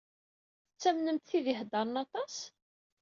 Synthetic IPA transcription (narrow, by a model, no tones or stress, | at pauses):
θət͡sːæmnəmt̪θiðɪɦd̪ɑɾˤnɑt̪ˤɑs